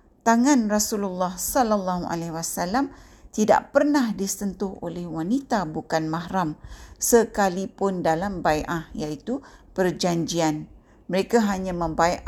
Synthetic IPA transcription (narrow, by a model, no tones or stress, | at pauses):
t̪aŋãnrasululːɑhsɔlalːaɦuʔa̰lɛhwasalam | t̪ida̰ʔpərnahdisənt̪ʊho̰lɛhwanit̪abukanmaɦɾamsəkalipʊndalambajʔahjait̪upərd͡ʒaɲd͡ʒian | məɾekaɦaɲãmə̃mbajʔa